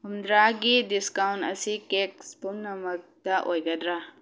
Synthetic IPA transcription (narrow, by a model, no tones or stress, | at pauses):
ɦumd̪ɾaɡidiskawnʈɐ̰sikekspumnɐmɐk̚t̪aʔojɡɐd̪ɾa